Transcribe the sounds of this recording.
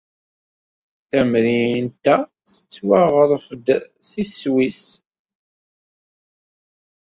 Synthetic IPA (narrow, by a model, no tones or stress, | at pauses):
θæmɾint̪æ | θə̥t͡sːwaʁəɾˤfəd̪ | siswis